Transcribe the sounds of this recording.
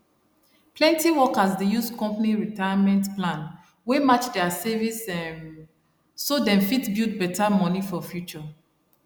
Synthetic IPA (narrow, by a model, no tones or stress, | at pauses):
plɛ̃ntiwɔkasdejuskɔ̃mpaniɹitajamɛ̃ntplãn | wemat͡ʃdɛasɛvisɛ̃ | sodɛ̃mfitbid̚bɛtʰamɔnifɔfjut͡ʃɔ